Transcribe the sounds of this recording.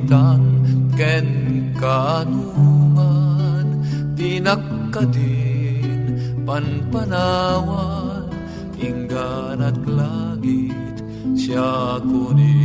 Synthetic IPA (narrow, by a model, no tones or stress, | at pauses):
t̪aŋkɛnkanumant̪inɐkːad̪i | npɐnpɐnawan | ʔiŋɡanɐk̪̚laɡi | t̪ | sjakuni